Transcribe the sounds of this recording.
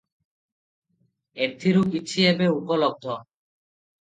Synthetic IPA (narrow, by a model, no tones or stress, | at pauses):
ed̪ʰʱiɾupit͡ɕʰiebeupɔlɔɡ̚d̪ʱɔ